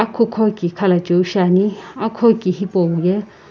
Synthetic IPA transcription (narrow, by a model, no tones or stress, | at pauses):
akʰokʰɔkikʰalad͡ʒouʃanĩakʰɔkʼihipʼɔwujɛ